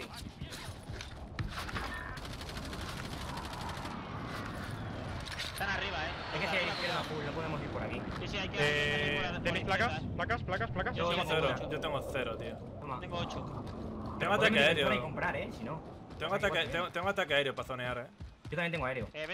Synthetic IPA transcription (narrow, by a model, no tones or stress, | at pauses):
i | st̪anariβae | ekeikeɾnafulnop̬oðemosiɾpoɾa̰ki | isiajkeet̪emesplakasplakasplakasplakasot̪ŋɡoθeɾoʝot̪eŋɡoθeɾot̪io | omat̪eŋɡoot͡ʃot̪eŋɡoat̪ameaeɾjoekompɾaɾesino | t̪eŋɡoat̪aet̪eŋɡot̪eŋɡoat̪akeaeɾjopaθoneaɾeɟ͡ʝot̪amẽnt̪eŋɡoaeɾeo